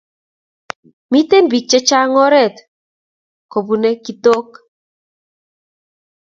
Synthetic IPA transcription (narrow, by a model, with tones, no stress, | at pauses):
mi˦te˦nbi˨k̚t͡ʃɛ˦t͡ʃa˦ŋɔ˦ɾɛ˦˨t̪ | ko˨bu˨nɛ˦ki˦to˦k